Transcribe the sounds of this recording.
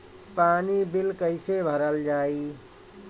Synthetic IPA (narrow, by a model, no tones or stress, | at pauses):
paːnibilkəɪsebʱəɾəld͡ʒaːi